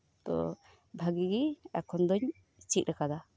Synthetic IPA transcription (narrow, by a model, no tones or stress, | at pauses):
t̪ɔ̰ | bʱaɡiɡiɛkʰɔnd̪ɔɲ | t͡ʃit̪̚ɾɛkad̪a